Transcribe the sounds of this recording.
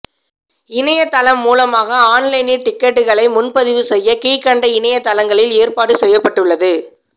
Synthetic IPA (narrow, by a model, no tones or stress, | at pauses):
ɪnɐjɐt̪ːɐlɐmːuːlɐmaːɣɐaːnlɐɪnɪʈɪkːɛʈːɯɣɐɭɐɪmʊnpɐðɪʋɯsɛjːɐkiːkːɐɳɖɐɪnɐjɐt̪ːɐlɐŋɡɐɭɪleːrpaːɽɯsɛjːɐpːɐʈːɯɭːɐðɯ